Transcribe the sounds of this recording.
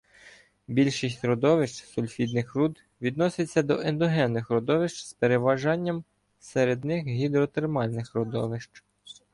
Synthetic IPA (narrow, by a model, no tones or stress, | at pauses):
bʲilʲʃɪsʲtʲɾɔd̪ɔʋɪʃt͡ʃsʊlʲfʲid̪nɪxrud̪ | ʋʲid̪nɔsɪt͡sʲːɐd̪ɔʔend̪ɔɦɛnːɪxɾɔd̪ɔʋɪʃt͡ʃspeɾeʋɐʒɑnʲːɐm | seɾed̪nɪxɦʲid̪ɾɔt̪ermɑlʲnɪxɾɔd̪ɔʋɪʃt͡ʃ